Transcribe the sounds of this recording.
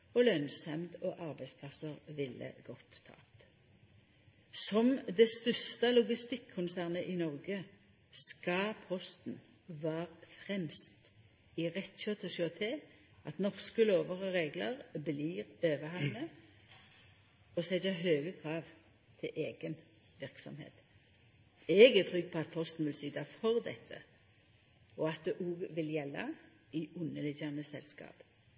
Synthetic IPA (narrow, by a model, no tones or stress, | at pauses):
ɔlœnsɑmd̪ɔʔɑʁbæɪspʰlɑsəʁʋɪlːə̰ɡ̥ɔt̪ʰːɑ̰ːt̪ | sɔmd̪ɛst̪ʉst̪ɑlʊɡɪst̪ɪkʰːʊnsæːʁnəʔinɔʁɡə | skɑpʰɔst̪n̩ | ʋɑːʁfʁɛmst̪ | iʁɛt̪ɕøːt̪ʰəʃøɑt̪ʰeː | ɑt̪nɔʁskəloːʋəʁəʁeːɡləʁbliːʁøːʋəhɑʋnə | ɔsɛd̪əɦøːɡəkʰʁɑːʋ | t̪ʰɪlʔeːɡən | ʋɪʁksɔ̰mhḛːt̪ | ɛɡɛt̪ʰʁʏɡ̚pʰɔɑt̪̚pʰɔst̪n̩ʋɪlsyːd̪ɑfɔʁd̪ɛ̰t̪ʰːə̰ | ɔɑt̪̚d̪ɛʔuːɡʋɪljɛlːɑ̰ | ɪʉnːəlɪdənəsɛ̰lskɑ̰ːp